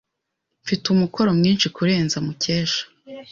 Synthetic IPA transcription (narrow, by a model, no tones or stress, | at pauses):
ɱfitumuko̞ɾo̞mɲiːnʃikuɾe̞ːnzamuceːʃḁ